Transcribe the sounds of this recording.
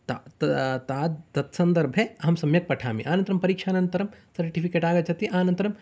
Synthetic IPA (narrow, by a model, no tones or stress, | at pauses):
t̪at̪t̪aːd̪t̪ɐt̪sɐnd̪ɐɾbʱeɐɦɐmsɐmjɐk̚pɐʈʰaːmḭʔaːnɐnt̪ɾɐmpɐɾiːkʂaːnɐnt̪ɐɾɐmsɐɾʈipʰikeːʈaːɡɐt͡ʃʰɐt̪iʔaːnɐ̃nt̪ɐɾɐm